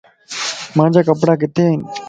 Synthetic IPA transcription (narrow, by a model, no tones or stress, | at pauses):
mad͡ʑʱakəpɽak̬et̪en